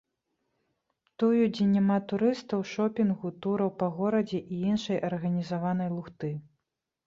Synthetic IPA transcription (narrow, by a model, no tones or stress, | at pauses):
t̪ujud͡zʲɛnʲamat̪uɾɨst̪ɐwʂɔpʲinɣut̪uɾɐwpɐɣɔɾɐd͡zʲɛʔiinʂɐjʔɐrɣɐnʲizavanɐjlˠuxt̪ɨ